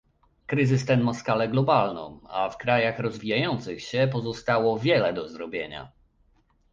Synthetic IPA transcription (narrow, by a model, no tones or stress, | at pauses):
kɾɘzɘst̪ɛnmaskalɛɡlɔbalnɔ̰̃ma̰fkɾajaxɾɔzvʲijajɔnt̪sɘxɕɛpɔzɔst̪awɔvʲjɛlɛd̪ɔzɾɔbʲjeɲa̰